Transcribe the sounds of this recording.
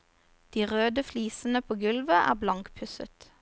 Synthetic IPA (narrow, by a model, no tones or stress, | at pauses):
d̪̥iːʁøːd̪əfliːsn̩əpʰoːɡʉlʋəʔæ̰ːʁblɑŋkpʰʉsə̰t̪